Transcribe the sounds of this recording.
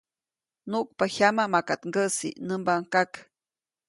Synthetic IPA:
nuʔk̚paçamamakat̪ŋɡəsḭnəmbaŋkak

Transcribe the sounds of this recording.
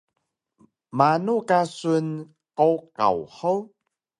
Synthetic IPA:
maːnokasun | kɔwka̰whəw

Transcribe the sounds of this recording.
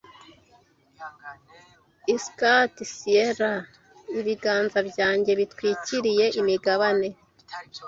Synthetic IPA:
iskatisieɾa | iβiɡaːnzabjɟaːɲɟe̞βitkwiːciɾije̞ʔimiɡaβane̞

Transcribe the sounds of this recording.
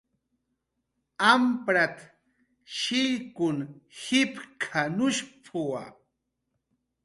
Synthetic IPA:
ampɾat̪ | ʃɪʎkʊnhɪpkʰanʊʃpʰʊwa̰

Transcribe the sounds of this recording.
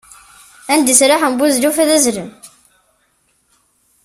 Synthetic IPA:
ænd̪isɾaħəmbuzlufæðæzlən

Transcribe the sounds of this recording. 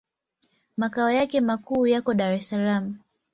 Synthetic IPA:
makaɔjakɛmakuːjakɔɗaɾɛsalamu

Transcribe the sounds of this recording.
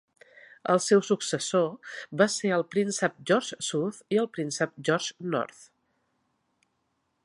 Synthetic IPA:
əlˠsɛwsuksəsobaseəlˠpɾinsəp̚ʒɔɾʒsuθiəlˠpɾinsəp̚ʒɔɾʒnɔ̰ɾθ

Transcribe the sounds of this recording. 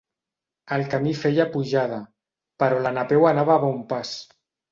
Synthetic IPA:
əlˠkamifeʎapuʒað̞a | pəɾɔlanapewanaβaβɔumpas

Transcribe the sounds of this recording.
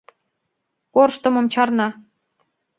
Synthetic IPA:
korʃt̪ɤ̆mɤ̆mt͡ɕɑrnɑ

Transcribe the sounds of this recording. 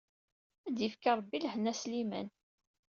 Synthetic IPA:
æd̪jifkaɾˤbːilhnæslimæ̰n

